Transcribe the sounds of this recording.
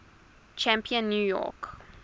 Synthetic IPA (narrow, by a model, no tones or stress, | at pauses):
t͡ʃæ̃mpiə̃nːjujɔ̰k